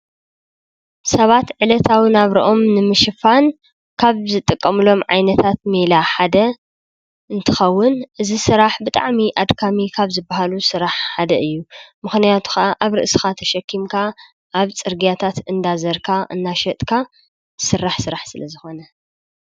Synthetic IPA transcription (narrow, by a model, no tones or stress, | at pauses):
sɐβat̪ʕɨlɐt̪ʰawɨnaβɾḭʔo̞mnɨmɨʃɨfan | kʰaβzɨt̪ʼːɨkʼːɐmɨlo̞mʕajnɐt̪ʰat̪̚melaħad̪ɐ | ɨnt̪ʰɨxɐwːʊnʔɨzisɨɾaħbɨt̪ʼa̰ʕmiʔad̪kʰamikʰaβzɨbːaɦalusɨɾaħħad̪ɐʔɨjːumɨxnijat̪ʰu̥xɐʔaʔaβɾɨ̰ʔsɨxat̪ʰɐʃɐkʰːimkʰa | ʔːβt͡sʼɨɾɡijat̪ʰat̪ɨnd̪azɐɾkʰaʔɨ̰nːaʃɐt̪ʼkʰa | sɨrːaħsɨɾaħsɨlɐzɨxo̞nɐ